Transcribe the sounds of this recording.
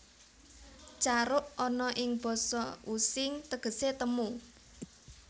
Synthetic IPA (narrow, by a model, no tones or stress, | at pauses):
t͡ʃaɾʊʔɔnɔʔɪŋb̥ɔ̤sɔusɪŋt̪əɡ̥ə̤set̪əmu